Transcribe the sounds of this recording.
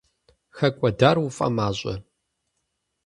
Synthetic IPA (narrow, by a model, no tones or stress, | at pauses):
xɐkʷʼɔdaːrwʊfʼɐ̰maːɕʼɐ̰